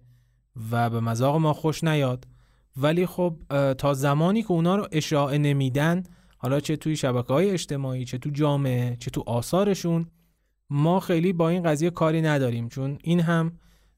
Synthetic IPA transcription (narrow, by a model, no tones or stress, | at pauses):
væbemæzɒːɣe̞mɒːxoʃnæjɒːd̪̥ | væliːxob̚t̪ʰɒːzæmɒːniːcʰe̞unɒːɾoʔe̞ʃɒːʔe̞ne̞miːd̪æn | hɒːlɒːt͡ʃʰe̞t̪ʰuːjeʃæbækʰehɒːje̞ːʃt̪e̞mɒːiːt͡ʃʰe̞t̪ʰud͡ʒɒːme̞et͡ʃʰe̞t̪ʰuʔɒːsɒːɾe̞ʃun | mɒːxe̞jliːbɒːiːnɢæzije̞kʰɒːɾiːnæd̪ɒːɾiːmt͡ʃʰoniːnɦæm